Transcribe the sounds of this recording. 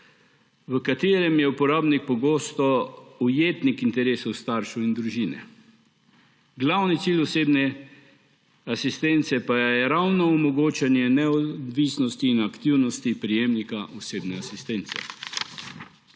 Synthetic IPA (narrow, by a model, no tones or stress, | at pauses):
ʋəkat̪eːɾɛmjɛupɔɾaːbnik̚pɔɡoːst̪ɔujeːt̪nikint̪ɛɾeːsɔwst̪aːɾʃuind̪ɾuʒiːnɛ̰ | ɡlawnit̪siːlʲɔseːbnɛ | asist̪ɛnt̪sɛpajjɛɾawnɔːmɔɡoːt͡ʃɛnjɛnɛɔd̪ʋiːsnɔst̪iːnakt̪iwnɔst̪ipɾijeːmnikaʔɔseːbnɛasist̪ɛnt̪sɛ̰